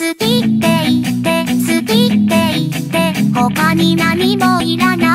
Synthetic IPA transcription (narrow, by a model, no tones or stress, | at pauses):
sɨkʲit̪ːe̞it̪ːe̞sɨkʲit̪ːe̞it̪ːe̞hokaɲ̟inaɲ̟imoiɾana